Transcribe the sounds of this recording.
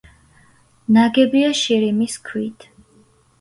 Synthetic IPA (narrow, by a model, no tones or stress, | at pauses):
naɡɛbiaʃiɾimiskʰwit̪ʰ